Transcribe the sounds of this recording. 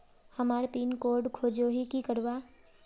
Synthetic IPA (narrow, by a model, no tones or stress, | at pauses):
həmaːɾpiːnkoːɾɖkʰoːd͡ʒoɦikikəɾʋa